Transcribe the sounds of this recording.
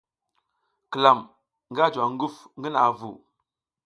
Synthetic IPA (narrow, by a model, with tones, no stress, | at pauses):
kə˨la˨m | ŋɡa˦d͡ʒwa˨ŋ˦ɡu˦fŋɡə˦na˨vṵ˨